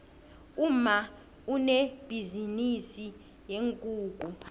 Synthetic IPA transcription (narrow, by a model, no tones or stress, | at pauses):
uma | uneb̥ʱizinisi | jeŋkʼuːkʼu